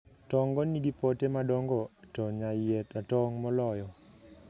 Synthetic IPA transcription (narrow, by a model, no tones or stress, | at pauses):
tɔŋɡɔnidipɔtemadɔŋɡɔtɔɲajetatɔŋmɔlɔjɔ